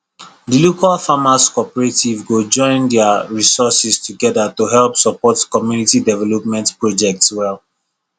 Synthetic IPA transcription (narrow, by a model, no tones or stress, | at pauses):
dilokalfamaskɔpɛɹetivɡod͡ʒɔ̃ɪ̃ndɛaɹisɔsistʰuɡɛdatuɦɛlpsəpɔtkɔmjunitidɛvɛlɔpmɛ̃ntpɹɔd͡ʒɛk̚tswɛl